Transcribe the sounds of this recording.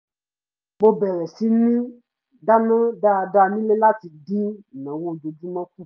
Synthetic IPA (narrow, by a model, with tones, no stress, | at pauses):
bo˧bɛ˨ɾɛ˨si˦nĩ˦ | da˦nã˦da˦˧da˧˨nĩ˦le˦la˦ti˨dĩ˦˨nã˨wo˧d͡ʒo˨d͡ʒu˦mã˦ku˦˨